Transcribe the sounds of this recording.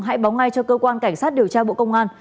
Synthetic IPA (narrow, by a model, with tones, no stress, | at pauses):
ŋɦa̰˧˥jɓa˨˦wŋ͡mŋa˧jt͡ɕɔ˧kəː˧kwaː˧nka˧˩jŋ̟saː˦˥t̚ɗi˨˩əwt͡ɕaː˧ɓo̰˧˨kə˧wŋ͡mʔaː˧n